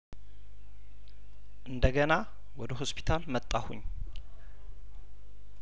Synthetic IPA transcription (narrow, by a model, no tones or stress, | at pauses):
ʔɨnd̪əɡəna | wɔd̪əɦospʰi̥t̪ʰalmət̪ʼːahṵɲː